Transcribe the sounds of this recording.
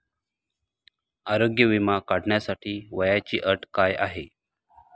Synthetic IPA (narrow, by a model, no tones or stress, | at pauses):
aɾoɡjəʋimakaɽɳjasaʈʰiːʋəjat͡ɕiːʔəʈkaja̰ɦe